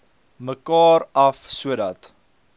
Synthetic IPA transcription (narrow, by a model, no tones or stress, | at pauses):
məkɑːɾɐfsuədɐt